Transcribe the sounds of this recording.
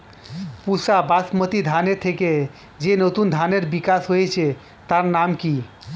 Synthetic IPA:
pusabasmət̪id̪ʱaneɾt̪ʰeke | d͡ʒenot̪und̪ʱaneɾbikasɦoet͡ʃʰe | t̪aɾnamki

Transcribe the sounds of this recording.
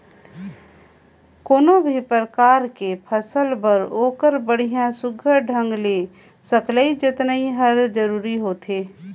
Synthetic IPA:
koːnõbʱipɾɾəkaːɾkepʰəsəlbəɾoːkəɾbəɽ̤ijãsʊɡʱəɖʱə̃ŋɡle | səkʰləid͡ʒɪt̪nəiɦəɾd͡ʒəɾuːɾiɦoːt̪eː

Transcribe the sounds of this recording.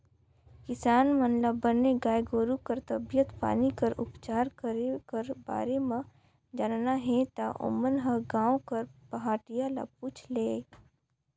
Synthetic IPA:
kɪsaːnmənləbəneɡaːjɡoːɾukəɾt̪ɐbijət̪pa̰ːnikɐɾʊpt͡ʃaːɾkəɾekɐɾba̰ːɾemã | d͡ʒaːnnaɦẽt̪a̰ʔʊ̰mənɦɐɡãːõkɐɾpɐɦaːʈijala̰p̚uːt͡ʃʰleː

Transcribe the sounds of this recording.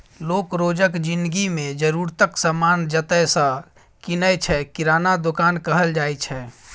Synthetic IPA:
lokɾod͡ʒəkd͡ʒind̪ɡimẽd͡ʒəɾuɾt̪əksəmand͡ʒət̪əsə̃ | kinət͡ʃʰɛkiɾanad̪okankəɦəld͡ʒajt͡ʃʰɛ

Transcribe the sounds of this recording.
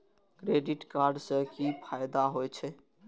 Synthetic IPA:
kɾeɖiʈkaɾɖsə̃kipʰajd̪aɦojt͡ʃʰɛ

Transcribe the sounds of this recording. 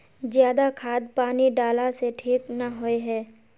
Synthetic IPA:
zjaːd̪akʰaːd̪̚paːniɖaːlaseʈʰiːknaɦoeɦɛː

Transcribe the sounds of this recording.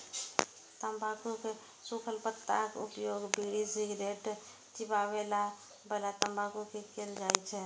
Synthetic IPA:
t̪əmbʱakuke | sukʰəlpət̪ːa̰kupjoɡbiɽisiɡɾeʈ | t͡ʃibaβela | bəlat̪əmbʱakukekeld͡ʒajt͡ʃʰɛ

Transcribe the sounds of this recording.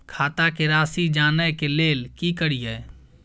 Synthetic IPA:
kʰaːt̪akeɾaːsid͡ʒaːnəjkeleːlkikəɾijə

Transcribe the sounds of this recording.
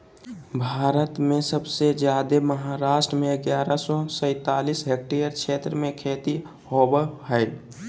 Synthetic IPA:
bʱaːɾət̪mẽsəbsed͡ʒjaːd̪eməɦaɾaːʃʈɾəmẽɡjaːɾasɔsə̃ɪt̪aːlisɦek̚ʈijəɾkʃeːt̪ɾəmẽkʰeːt̪i | hobəhɛɪ

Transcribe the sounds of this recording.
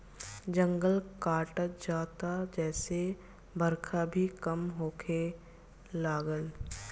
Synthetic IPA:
d͡ʒə̃ŋɡəlkaːʈəd͡ʒaːt̪ad͡ʒɛːse | bʱəɾkʰabʱikəmɦoːkʰe | laːɡəl

